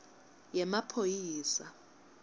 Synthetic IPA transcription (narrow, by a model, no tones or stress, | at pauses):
jɛmapʰojiːsa